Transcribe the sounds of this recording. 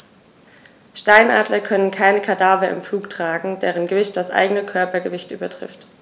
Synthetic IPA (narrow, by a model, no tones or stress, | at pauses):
ʃtaɪnʔa̰ːdlɐkʰœnənkʰaɪnəkʰadaːvɐɪ̰mfluːktʁ̥aːɡŋ̩dɛːʁənɡəvɪçt̚d̥asʔa̰ɪɡənəkʰœɐpɐɡəvɪçtʔy̰ːbɐtʁ̥ɪ̰ft